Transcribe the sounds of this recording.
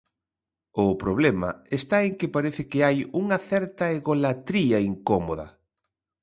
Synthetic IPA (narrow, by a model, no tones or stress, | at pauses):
ʊpɾoβlɛmɐ̰est̪aeŋkɪpaɾeθɪkɪajuŋɐθɛɾt̪ɐeɣolat̪ɾiɐiŋkomo̰ðɐ̰